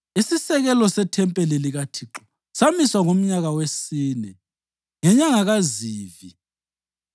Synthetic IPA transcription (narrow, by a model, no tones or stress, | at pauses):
isisɛɣɛlɔsɛtʰɛmpʼɛliliɣatʰiːǁɔ̥ | samiswaŋom̩ɲaɣawesiːnɛ | ŋɛɲaŋaɣaziːvi